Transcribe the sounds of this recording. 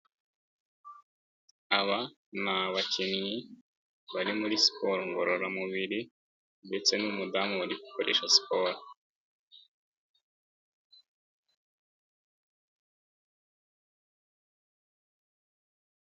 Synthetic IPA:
aβa | naβacimiji | βaɾimuɾisi̥pʰoɾoŋɡoɾoɾamuβiɾi | nde̞t͡se̞numudamuβaɾiku̥koɾḛːʃasi̥po̞ːɾo

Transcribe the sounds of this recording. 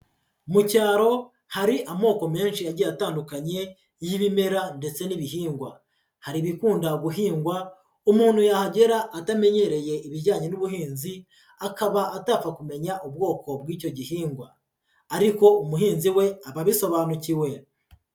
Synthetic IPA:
mucaːɾo̞ | haɾiʔamo̞ːko̞me̞ːnʃiaɟejataːndukaɲe̞ | jiβime̞ɾande̞t͡se̞niβiɦiːŋɡwa | haɾiβikuːndaɡuɦiːŋɡwa | umuːnhujahaɟe̞ɾaʔːtame̞ɲe̞ɾe̞je̞iβiɟaːɲe̞nuβuhiːnzi | akaβaʔːtaːfakume̞ɲaʔub̚ɡo̞ːko̞bwiːco̞ɟihiːŋɡwaː | ɾiko̞umuɦiːnziwe̞aβaβiso̞βaːnuciwe̞

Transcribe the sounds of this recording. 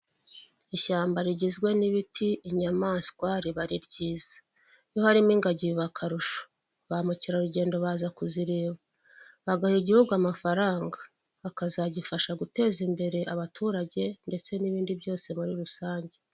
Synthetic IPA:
iʃaːmbaɾiɟizɡwe̞niβitʰiːɲamaːnskwaɾiβaɾiɾɟiːz̥ḁ | jo̞haɾimiːŋɡaɟiβakʰaɾuʃo̥ | βamuciɾaɾuɟe̞ːndo̞βaːzakuziɾeːβa | βaɡahiɟihuɡuamafaɾaːŋɡa | akazaɟifaʃaɡute̞ːzimbe̞ɾe̞ʔaβatʰuːɾaɟe̞nde̞t͡se̞niβiːndibjo̞ːse̞muɾiɾusaːɲɟe̞

